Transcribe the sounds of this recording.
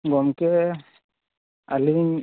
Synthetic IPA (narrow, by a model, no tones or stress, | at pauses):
ɡɔmkɛ | aliɲ